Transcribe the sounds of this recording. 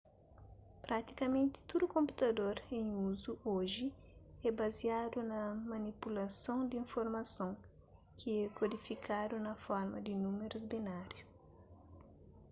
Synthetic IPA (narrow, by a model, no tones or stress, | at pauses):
pɾat̪i̥kɐmẽnt̪i̥t̪ud̪ukõmput̪ɐd̪oɾẽŋuzuʔoʒi | ɛbɐziad̪unɐmɐnipulɐsõŋd̪ĩɱfoɾmɐsõŋ | kʰiɛkod̪ifikʰad̪unɐfɔɾmɐd̪inumeɾuzbinaɾju